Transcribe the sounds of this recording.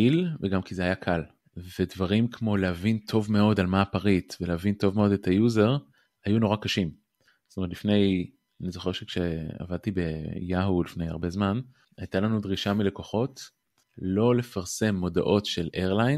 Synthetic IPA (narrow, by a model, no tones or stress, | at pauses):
ilveɡamkizeajakʰal | vedvaʁimkʰmo̞leavintʰo̞vme̞o̞dalmaːpaʁitveleavinto̞vme̞o̞detʰajuze̞ʁ | hajuno̞ʁakaʃim | z̥tometlifne̞j | anizo̞χeʁʃekʃea̰vad̚t̪ibejaɦulifneja̰ʁbe̞zman | ajtalanudʁiʃamile̞ko̞χo̞t | lo̞le̞faʁse̞mːo̞da̰ʔo̞tʃe̞lʔeʁlajn